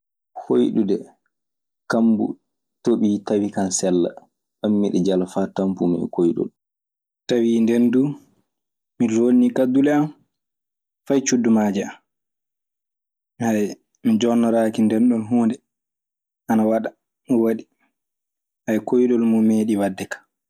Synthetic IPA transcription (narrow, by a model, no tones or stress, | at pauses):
hojɗudɛ | kambṵ | toɓiːtawikansɛlːa̰ | ɓamːiɗɛd͡ʒalafatampumɛ̰kojɗɔ̰l | tawindɛndu | milolnikadːulɛam | fajt͡ʃudːumaːd͡ʒɛam | haj | mid͡ʒɔnːɔɾaːkindɛnɗɔnɦuːndɛ | ʔanawaɗa | waɗi | hajkojɗɔlmumeːɗiwadːɛkḁ